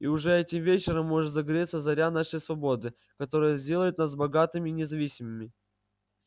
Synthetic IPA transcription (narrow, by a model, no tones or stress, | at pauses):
iʊʐɛɛtʲɪmvʲet͡ɕɪɾəmːo̞ʐɨt̪zəɡɐɾʲet̪səzɐɾʲanaʂəjsvɐbo̞d̪ɨ | kɐt̪o̞ɾɨjəzʲdʲe̞lˠəjɪt̪nas̬bɐɡat̪ɨmʲɪnʲɪzɐvʲisʲɪmɨmʲɪ